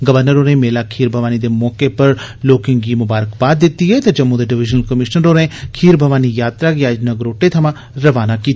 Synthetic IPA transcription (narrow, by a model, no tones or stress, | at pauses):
ɡəʋəɾnəɾoːnẽmeːlakʰiːɾbʱɐʋaːnid̪emɔːkepɐɾ | loːkɪ̃ŋɡimʊbaːɾəkbaːt̪̚d̪ɪt̪ːiɦɛt̪ad͡ʒɐmːũd̪eɖɪʋɪd͡ʒnəlkəmɪʃnəɾoːnẽkʰiːɾbʱɐʋaːnijaːt̪ɾaɡjaːd͡ʒnɐɡɾoːʈet̪ʰɐmã | ɾɐʋaːnakiːt̪ː